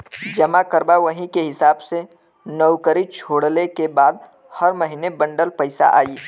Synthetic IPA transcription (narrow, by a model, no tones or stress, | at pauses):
d͡ʒɐmakəɾbaʋəɦĩkeɦɪsaːbse | nəwkəɾit͡ʃʰoːɽlekebaːd̪ | həɾməɦinebə̃ɳɖəlpəɪsa̰ʔa̰ːiː